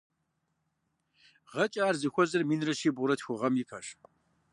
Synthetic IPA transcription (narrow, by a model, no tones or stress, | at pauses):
ʁɐt͡ʃʼaːrzɨxʷɔzɐrmiːnrɐʃeːbʊɾɐtʰxʷʊʁɐmjipʰɐʂ